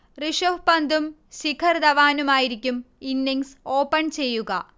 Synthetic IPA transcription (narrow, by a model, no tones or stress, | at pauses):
riʂohpɐnd̪um | ɕikʰɐrd̪ɐʋaːnumaːjiɾikʲːuminːiŋso̞ːpːɐnt͡ɕe̞jːuɣɐ̰